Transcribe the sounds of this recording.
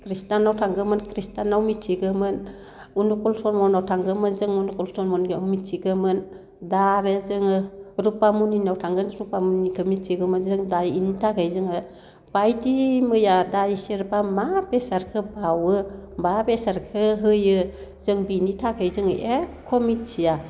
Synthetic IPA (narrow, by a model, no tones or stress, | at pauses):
kʰɾistanawtʰaŋɡɯmɯnkʰɾistanawmitʰːiɡɯmɯn | unukɔlsʰɔnmɔnawtʰaŋɡɯmɯnzɯŋunukɔlsɔnmɔnɡɯawmitʰːiɡɯmɯn | daɾɯzɯŋɯɾupamuninawtʰaŋɡɯnɾupamunikʰɯmitʰiɡɯmɯnzɯŋdajinitʰakʰɯjzɯŋɯ | b̥ajdimɯjadajsiɾbamapesaɾkʰɯbawɯbabesaɾkʰɯɦɯjɯ | zɯŋbinitʰakʰɯjzɯŋɯ̰ʔekʰɔmitsʰija